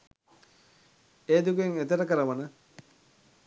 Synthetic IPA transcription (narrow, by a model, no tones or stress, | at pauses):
eːd̪ukueŋet̪əɾəkəɾəʋənə